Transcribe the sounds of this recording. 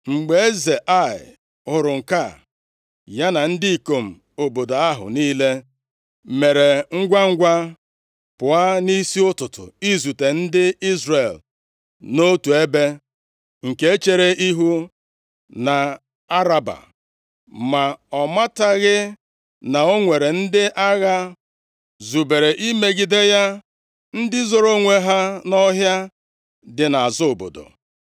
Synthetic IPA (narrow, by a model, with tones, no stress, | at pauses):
ŋ͡m̩˨ɡ͡be˨e˦ze˨ʔa˦˨ɪ̰˨ | ʊ˨ɾʊ˨ŋ̩˨ka˦˨ | ja˦na˨n̩˦di˦i˨ko˨m̩˨ | o˨bo˨da˨a˦ɦʊ̰˨niː˦le˦ | me˨ɾe˨ŋ̩˦ɡʷa˦ŋ̩˦ɡʷa˦ | pʊ˨a˦ni˦si˦ʊ˦tʊ˨tʊ̰˨i˦zu˨te˨n̩˦dɪ˦i˦zre˨l | no˦tu˨e˦be˦ | ŋ̩˨ke˦e˦t͡ʃe˦ɾe˦ʔi˦ɦu˦ | na˨ | a˦ɾa˨ba̰˨ | ma˨ɔ˨ma˦ta˦ɣɪ˦ | na˨o˦ŋʷe˨ɾe˨n̩˦dɪ˦ʔa˦ɣa˦ | zu˨be˨ɾe˨ʔi˦me˦ɡi˨de˦ja˦ | n̩˦dɪ˦zo˨ɾo˦ŋʷe˦ɦa˦nɔ˦ɦja˦ | dɪ˨na˨a˨zo˦o˨bo̰˨do̰˨